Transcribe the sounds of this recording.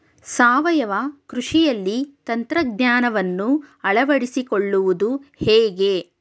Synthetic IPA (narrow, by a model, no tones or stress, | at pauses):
saːʋɐjɐʋakɾuʂijɐlːit̪ɐnt̪ɾɐɡɲaːnɐʋɐnːuɐɭɐʋɐɽisikoɭːuʋud̪uhɛːɡe